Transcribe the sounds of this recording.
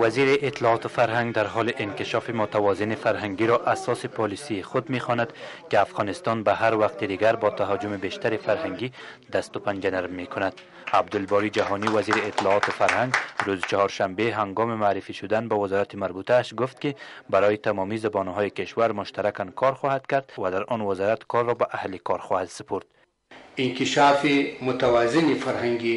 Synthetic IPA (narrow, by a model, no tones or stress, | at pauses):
waziɾiʔɪt̪ːɪlɔːt̪ɪfaɾɦaŋɡd̪aɾɦɔlɪʔɪnkɪʃɒfimʊt̪awɒzɪnifaɾɦaŋɡiɾɔʔasɔsipʰɔlisijːxʊd̪mexɔnad̪kiafɣɔnɪst̪ɔnbaɦaɾwaqt̪id̪iɡaɾbɒt̪aɦɔd͡ʒʊmibeʃt̪aɾifaɾhaŋɡid̪ast̪ʊpand͡ʒanaɾmːekʰʊnad̪ | ab̚d̪ʊlbɔɾid͡ʒaɦɔniwaziɾiːt̪ɪlɔɒt̪ɪfaɾhaŋɡɾuzt͡ʃɔhɒɾʃambeɦaŋɡɔmimaːɾifiʃʊd̪anbavɪzɔɾat̪imaɾbut̪ʰaːʃɡʊft̪kibaɾɔjit̪amɔmizabɔnɦɔjikɪʃwaɾmʊʃt̪aɾakankʰɒɾxɔhad̪kaɾd̪wad̪aɾɔnwazɔɾat̪kʰɔɾːɔbaʔahlikʰɔɾxɔhad̪sɪ̥pʰuɾd̪̥ | iŋkiʃaːfimʊt̪awazinifaɾhaŋɡi